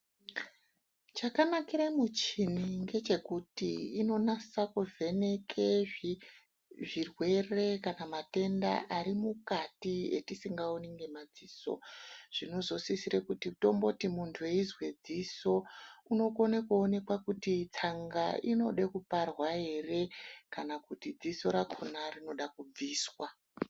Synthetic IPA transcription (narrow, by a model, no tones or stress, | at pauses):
t͡ʃakanakiɾamut͡ʃiniŋɡe̞t͡ʃe̞kutḭːno̞nasakuvʱe̞ne̞kʰe | ʐirwe̞re̞kanamate̞nda̰ʔaɾimukatiḛtisiŋɡaoniŋɡe̞mad͡ziso̞̰ʐ̥ino̞zo̞sisiɾekutito̞mbo̞timuntʰuje̞izwed͡ziso̞uno̞konekuone̞kwakutit͡saŋɡaino̞ɗekuparwaɦe̞re̞kanakutid͡ziso̞ɾakʰonarino̞ɗakub͡viːswa